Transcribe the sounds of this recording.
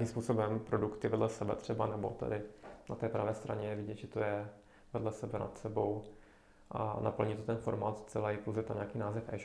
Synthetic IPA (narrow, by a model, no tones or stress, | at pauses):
kiːmspuːso̞bɛmpɾo̞dukt̪ɪvɛdlɛsɛbɛ̰t̪r̝̥ɛbanɛbo̞̰t̪ɛ̰dɪnat̪ɛːpɾavɛːst̪ɾa̰ɲɛjɛvɪɟɛt̪ʒɛt̪ojɛ | vɛdlɛsɛbɛna̰t̪sɛbo̞w | ʔnapl̩ɲɪt̪ot̪ɛnfo̞ɾmaːt̪st͡sɛlaɪpowzɛt̪amɲeakiːnaːzɛfʔɛ̰ʃ